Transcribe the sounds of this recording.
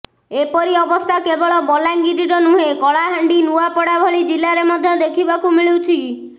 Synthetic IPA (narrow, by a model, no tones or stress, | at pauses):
epɔɾiɔbɔst̪ʰakebɔɭɔbɔlaŋɡid̪iɾɔnuɦekɔɭaɦaɳɖinuapɔɽabʱɔɭid͡ʒilaɾemɔd̪ʱjɔd̪ekʰibakumiɭiwt͡ʃʰi